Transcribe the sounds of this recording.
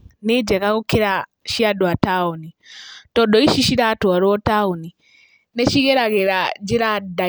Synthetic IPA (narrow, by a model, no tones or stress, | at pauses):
nɛd͡ʒɛɣaɣukɛɾa | ʃiadɔataɔnitɔɗɔiʃiʃiɾatɔaɾɔɔtauni | nɛʃiɣɛɾaɣɛɾad͡ʒɛɾada